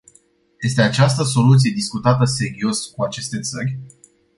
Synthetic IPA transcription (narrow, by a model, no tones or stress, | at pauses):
je̞st̪e̞at͡ʃast̪əso̞lut̪sije̞d̪iskut̪at̪əse̞ɾio̞skuat͡ʃe̞st̪e̞t̪sərʲ